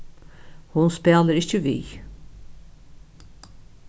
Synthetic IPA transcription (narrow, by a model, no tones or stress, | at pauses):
hʊnspeːləɾɪçəʋḭː